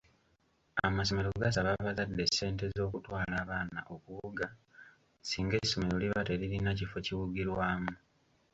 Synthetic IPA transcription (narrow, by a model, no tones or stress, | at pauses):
amaso̞me̞ɾo̞ɡas̬aβaβazadːe̞sːe̞ːnte̞zo̞ːkutwaːlaːβaːnaʔo̞kuβuɡa | siːŋɡe̞sːo̞me̞ɾo̞liβate̞ɾiɾinacifo̞ciwuɡiɾwaːmu